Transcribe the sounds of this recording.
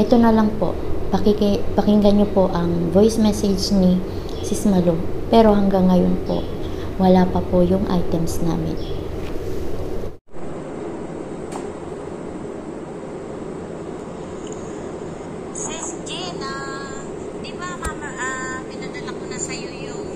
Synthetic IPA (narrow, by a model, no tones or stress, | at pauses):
ʔɛt̪o̞nɐlɐŋpo̞̰ʔpɐkikpɐkɪŋɡɐɲːopo̞ʔɐŋvojsmɛsɛd͡ʒni | sɪsmɐlopɛːɾo̞ɦɐŋɡaŋːɐjonpo̞̰ʔwɐlaːpɐpojʊŋʔa̰jt̪ɛmsna̰ːmɪ̰n | sskina | d̪ɪbamamɐʔapɪnad̪ɐlɐkonɐsɐjojʊ